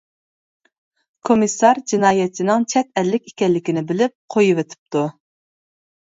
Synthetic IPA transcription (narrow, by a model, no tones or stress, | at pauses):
kʰomisːɑɾd͡ʒinɑːjɛt͡ʃʰːinɪŋt͡ʃʰɛt̪ɛlːɪkʲi̥kʲɛlːɪkʲinɪbɪlɪp̚qʰojuwet̪ʰɪ̥p̚t̪ʰu